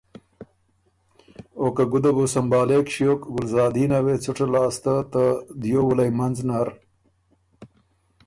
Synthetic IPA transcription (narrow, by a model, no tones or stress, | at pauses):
okaɡud̪ɐbusɐmbaːleːkʂijoːkɡʊlzɑːd̪iːnɐwet͡suʈ͡ʂelaːst̪at̪ad̪joːwulɐjmɐnznaɾ